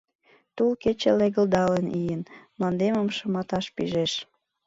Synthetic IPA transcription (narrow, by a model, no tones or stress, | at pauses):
t̪ulket͡ɕeleɣə̆ld̪ɑlənijənmlɑnd̪eməmʃə̆mɑt̪ɑʃpḭʒeʃ